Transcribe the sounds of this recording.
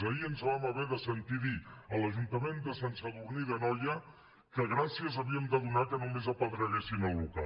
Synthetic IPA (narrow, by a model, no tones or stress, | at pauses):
əiənzβaməβɛðəsənt̪iðiələʒunt̪əmend̪əsansəðuɾniðənɔjə | kəɣɾasiəzəβiəmd̪əðunakənumezəpəld̪ɾəɣesinəlˠluka̰